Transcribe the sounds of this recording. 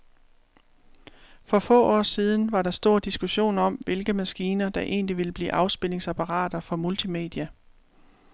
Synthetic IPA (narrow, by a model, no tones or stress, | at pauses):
fɒ̽fɔ̰̽ːɒ̰ːsiːð̞ˠn̩ʋɑ̈ɾɑ̈sd̥o̝ːɐ̰d̥isɡ̥uɕo̝̰ːnɒ̽mʋe̝lɡ̥əmæsɡ̥iːnɐd̥ɑ̈ʔe̝̰ːnliʋe̝ləb̥lḭːʔɑ̈ʊsb̥e̝l̰e̝ŋsæpʰɑʁɑ̰̈ːd̥ɐfɒ̽mult͡sʰime̝̰d̥iæ